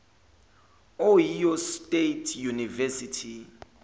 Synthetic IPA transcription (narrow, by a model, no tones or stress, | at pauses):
ojijɔstʼetʰjunivɛsitʰi